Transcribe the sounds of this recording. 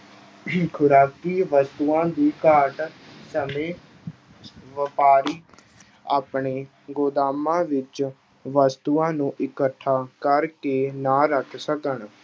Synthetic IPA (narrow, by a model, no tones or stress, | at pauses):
kʰʊɾaːkiːʋəst̪uːãːd̪iːkaːʈsəmẽː | ʋəpaːɾiː | aːpɳeː | ɡoːd̪aːmãːʋɪt͡ʃ | ʋəst̪uːãːnũːʔɪkəʈʰːaːkəɾkeːnaːɾəkʰsəkəɳ